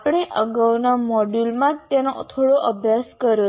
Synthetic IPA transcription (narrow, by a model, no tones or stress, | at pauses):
pɽ̃eʔəɡəwnamɔɖulmãt̪enot̪ʰoɽoʔəbʱjaskəɾjo